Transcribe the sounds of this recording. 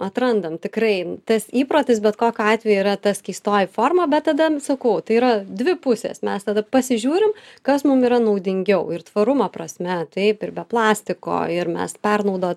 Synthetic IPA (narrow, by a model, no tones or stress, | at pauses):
ɐt̪ɾɐnd̪ɐmt̪ʲɪkɾɐɪt̪ɐsiːpɾoːt̪ʲɪsbʲɛt̪koːkʲoɑːt̪ʲʋʲɛjuiːɾɐt̪ɐskʲiːst̪oːjɪfoːrmɐbʲɛt̪̚t̪ːɐd̪ɐsɐkɐʊt̪ɐɪiːɾɐd̪ʲʋʲɪpʊsʲḛːsmʲɛst̪ɐd̪ɐpɐsʲɪʒʲuːɾʲɪmkɐsmʊmiːɾɐnɐʊd̪ʲɪŋʲɡʲɛʊɪrt̪ʋɐɾʊmɐpɾɐsʲmʲɛt̪ɛɪpɪɾbʲɛplˠɑːsʲt̪ʲɪko̰ːɪɾmʲɛ̰spʲɛrnɐʊd̪oː